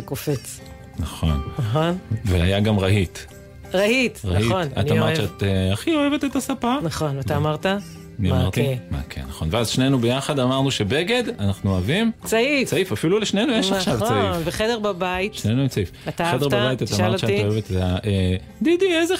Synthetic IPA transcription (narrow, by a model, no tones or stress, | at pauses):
kofet͡s | naχonnaχonveajaɡamʁahit | ʁaitʁaionanamaʁʃeat̪eaχioevetet̪asapanaχonvataːmaʁt̪a | niaamʁt̪ima̰kʰḛnaχo̞nveazʃne̞nubejaχad̪amaʁnuʃebe̞ɡe̞d̪anaχnuavimt͡sait͡saifafiluleʃnejnujeʃaχʃavt͡saifveχedeʁbabaitʃnenueʃt͡saifataχedeʁbabajit̪atamaʁʃeaaoevet̪taʔe | d̪id̪ieze